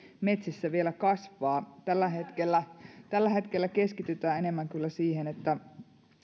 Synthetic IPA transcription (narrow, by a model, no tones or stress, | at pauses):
me̞t̪sisːæʋielækɑsʋɑːt̪ælːæɦet̪kelːæt̪ælːæɦe̞t̪kelːæke̞skit̪yt̪æːenemːæŋkylːæsiːhenet̪ːæ